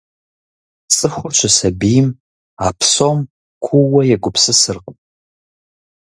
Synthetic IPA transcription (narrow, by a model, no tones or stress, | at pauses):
t͡sʼɨxʷʊrt͡ʃʷʰɐsɐbijɪm | aːpʰsoːm | kʷʰʊwɐjɛɡʷʊpʰsɨsɨrq